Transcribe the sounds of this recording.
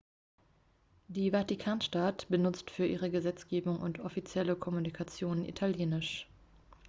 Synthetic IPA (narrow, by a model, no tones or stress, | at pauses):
d̥iːvatikʰaːnʃtatb̥ənʊt͡stfyːɐʔḭːʁ̞əɡəzɛt͡sɡ̥eːbʊŋʊ̰ntɔfit͡sjɛləkʰɔmunikʰat͡sjoːnənḭtʰaljeːnɪʃ